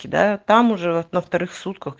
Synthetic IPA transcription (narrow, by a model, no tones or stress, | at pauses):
kʲid̪ɑ̰t̪ɑmʊʒɛɔnɐft̪ɐɾɪxsut̪̚kɐx